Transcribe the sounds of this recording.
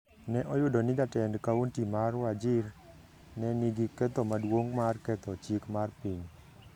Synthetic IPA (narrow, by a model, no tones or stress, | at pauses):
nɛʔɔjʊdɔnɪdatɛndkawontimarwad͡ʒɪr | nɛniɡikɛt̪ɔmadwoŋmarkɛt̪ɔt͡ʃikmarpiɲ